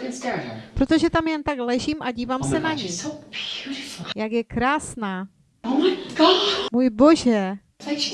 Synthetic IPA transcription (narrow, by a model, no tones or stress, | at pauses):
pɾot̪o̞ʒɛt̪amjɛnt̪aɡlɛʒimʔaɟiːvaːmsɛnaɲi | jakjɛkɾaːsnaː | muːjbo̞ʒɛ